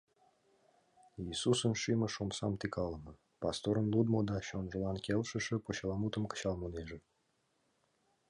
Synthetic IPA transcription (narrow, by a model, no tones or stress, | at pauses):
iːsusənʃimə̆ʃomsɑ̰mt̪ikʰɑlˠənə | pɑst̪oɾə̆nlˠud̪mod̪ɑɕonʒəlɑnkʲelʃə̆ʃə̆poɕɑlˠɑmut̪əmkə̥ɕɑlˠmoneʒə̆